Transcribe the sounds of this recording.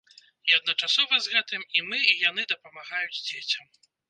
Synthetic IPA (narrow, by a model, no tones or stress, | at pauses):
iɐd̪̚nɐt͡ʂasɔvɐzɣɛt̪ɨmimɨijan̪ɨd̪ɐpɐmaɣajud͡zʲd͡zʲet͡sʲɐm